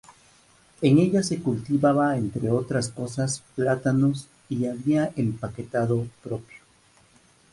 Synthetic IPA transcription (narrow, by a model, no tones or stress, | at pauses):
eŋe̞ʝase̞kult̪iβaβaent̪ɾeo̞t̪ɾasko̞sasplat̪anos | iaβiaʔempake̞t̪aðo̞pɾo̞pjo